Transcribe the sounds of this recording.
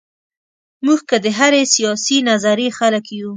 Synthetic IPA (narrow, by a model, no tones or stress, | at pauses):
muɡkəd̪əɦaɾesijɑsinazaɾexaləkju